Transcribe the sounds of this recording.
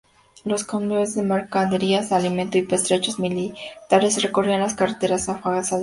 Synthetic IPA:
lo̞skomoβezðemeɾkaðeɾiasalimẽnt̪oipest̪ɾet͡ʃozmilit̪alβesrekorianlaskaret̪e̞ɾasafaɣasað

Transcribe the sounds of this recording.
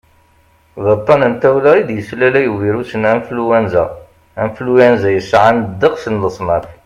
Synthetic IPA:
ðət̪ˤːɑnənt̪æwlæid̪jəslælæjəwiɾusənænfluwænzæ | æmflujænzæjəsːʕand̪əqsənləsˤmɑθ

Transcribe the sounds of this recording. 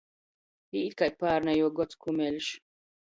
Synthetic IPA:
jiit̪kaj̚paːɾnajɔɡɔt͡skʰumɛlʃ

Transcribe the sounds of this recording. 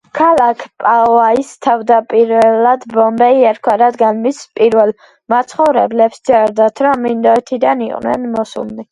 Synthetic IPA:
kʰalakʰpʼaɔaist̪ʰavd̪apʼiɾvɛlad̪bɔmbɛiɛɾkʰwaɾad̪ɡanmispʼiɾvɛlˠ | mat̪sʰχɔvɾɛ̰blɛpsd̪sʼɛɾd̪at̪ʰɾɔmːind̪ɔɛt̪ʰid̪aniqʼnɛ̰nmɔsṵlni

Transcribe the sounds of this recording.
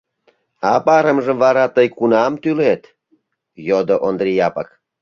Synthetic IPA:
ɑpɑɾəmʒəmvɑɾɑt̪əjkunɑmt̪ylet̪ | jod̪oʔond̪rʲijɑpɑk

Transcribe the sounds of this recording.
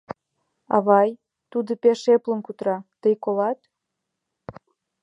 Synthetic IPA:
ɑ̰βɑj | t̪ud̪ə̆peʃeplə̆nkut̪ɾɑt̪əjkolɑt̪

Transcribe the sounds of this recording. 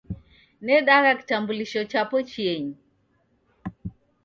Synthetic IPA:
nɛɗaɣaki̥tambuliʃɔt͡ʃapɔt͡ʃieɲi

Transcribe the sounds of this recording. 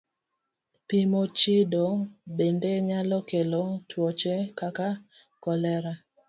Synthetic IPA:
pimot͡ʃidɔbendeɲalɔkelɔtwɔt͡ʃɛkaka | kɔlɛɾa

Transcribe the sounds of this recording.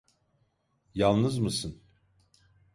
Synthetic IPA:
jalˠnɯzmɯsɯn

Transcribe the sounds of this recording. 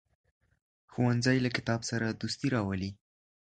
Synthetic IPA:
xuwanzajlakɪ̥t̪ɑbsaɾad̪ust̪iɾɑwəli

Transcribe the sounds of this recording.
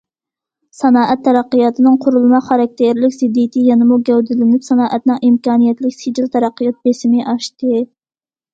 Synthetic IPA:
sɑnɑːʔɛt̪ʰːɛɾɑqːəjɑt̪ʰɨnɨŋqʰʊɾulˠmɑqχɑɾɛk̚ʲt̪ʰeɾlɪkʲz̥ɪd̪ːijɪt̪ʰɪjɛnɨmuɡʲɛwd̪ɪlɪnɪpsɑnɑːʔɛt̪̚nɨŋʔimkɑːnijɛt̪lɪkʲsɪd͡ʒilt̪ʰɛɾɑqːəjɑt̪̚besɪmɪʔɑʃt̪ɨ

